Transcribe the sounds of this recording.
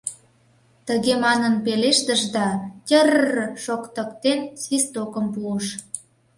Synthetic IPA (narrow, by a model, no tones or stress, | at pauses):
t̪əɣemɑnənpeleʃt̪əʒd̪ɑtʲərʃokt̪əkt̪ensβist̪okəmpuəʃ